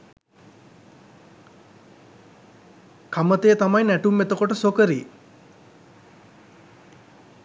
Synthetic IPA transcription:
kamət̪ejət̪amajnæʈumːet̪əkoʈəsokəɾi

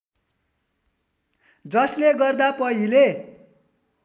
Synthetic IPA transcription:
d͡zʌsleɡʌrd̪apʌɦile

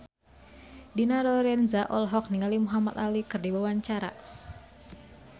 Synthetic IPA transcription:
dinaɾɔɾɛnzaʔɔlɦɔk̚niŋalimuɦamat̪alikɨrdiwawaɲt͡ʃaɾa̰

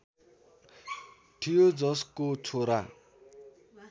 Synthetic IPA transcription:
ʈʰijod͡zʌskot͡sʰoɾa

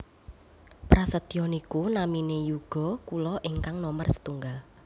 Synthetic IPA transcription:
pɾasət̪iɔnikunaminejuɡ̥ɔ̤kulɔʔiŋkaŋnɔmərsə̥t̪uŋɡal

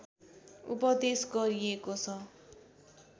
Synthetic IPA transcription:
ṵpʌd̪esɡʌɾiekot͡sʰʌ

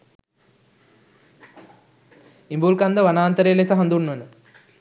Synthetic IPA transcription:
imbuːlkɐnd̪ɐʋɐnaːnt̪ɐɾelesɐɦɐnd̪unːunɨ

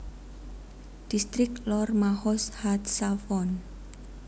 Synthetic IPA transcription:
d̪̥ist̪ɾɪklɔrmahɔshat̪safɔn

